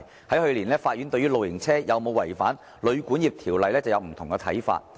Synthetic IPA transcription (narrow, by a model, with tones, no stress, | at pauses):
hɐ˨˥jhɵ˧ɥliː˨˩nlɛː˥faː˧t̚jyː˨˥nt̪ɵ˧ɥyː˥lo˨wjɪ˨˩ŋt͡sʰɛː˥jɐ˨wmo˨˧wɐ˨˩jfaː˨˥n | lɵ˨˧ɥkuː˨˥njiː˨˧p̚t̪ʰiː˨˩wlɐ˨jlɛː˥t͡sɐ˨wjɐ˨˧wm̩˨˩t̪ʰʊ˨˩ŋkɛ˧t̪ʰɐ̰˨˥jfa̰ː˧t̚